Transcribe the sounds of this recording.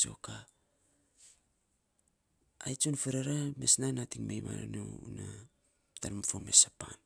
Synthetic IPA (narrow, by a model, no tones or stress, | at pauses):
t͡ʃo̞̰ka | jt͡ʃonfeɾaɾamesnanatiŋmejma̰nuuna | taɾmfomesapan